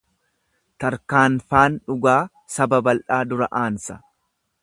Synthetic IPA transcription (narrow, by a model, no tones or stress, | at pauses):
t̪ɐɾkaːnfaːnᶑʊɡaː | sɐbɐbɐlᶑaːd̪ʊɾɐ̰ʔaːnsɐ̥